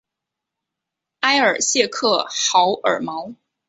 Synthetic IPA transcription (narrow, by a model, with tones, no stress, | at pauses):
a˥ɪə˞˨˩ɕjɛ˥˧kʰɤ˥˩xɑ˧˥ʊʔə̰˞˨˩mɑ˧˥ʊ